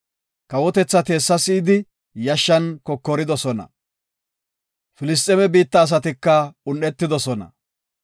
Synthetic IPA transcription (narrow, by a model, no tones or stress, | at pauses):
kɐwɔt̪ɛt͡sːɐt̪e̞ːsːɐsiːd̪ɪ | jɐʃːɐnkɔkːɔɾɪd̪ɔsɔnɐ̰ | fɪlɪs̬t̪ʼːɛmɛbiːt̪ːɐːs̬ɐt̪ɪkːɐʊnːɛt̪ːɪd̪ɔsɔnɐ̰